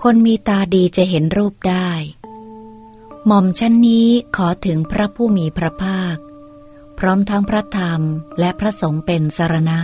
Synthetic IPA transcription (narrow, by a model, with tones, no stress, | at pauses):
kʰo˧nmiː˧t̪aː˧diː˧t͡ɕa˨˩ɦe˩˦nɾuː˥˩p̚daː˥˩j | mɔ˨˩mt͡ɕʰa˦˥nːiː˦˥kʰɔː˩˦t̪ʰɯ˩˦ŋpʰɾa˦˥pʰuː˥˩miː˧pʰɾa˦˥pʰaː˥˩k̚ | pʰɾɔː˦˥mt̪ʰa˦˥ŋpʰɾa˦˥t̪ʰa˧mlɛ˦˥ʔpʰɾa˦˥so˩˦ŋpe˧nsa˧ɾa˧na˦˥ʔ